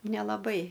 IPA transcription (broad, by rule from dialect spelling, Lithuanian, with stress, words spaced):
nʲɛlˠɐˈbɐɪ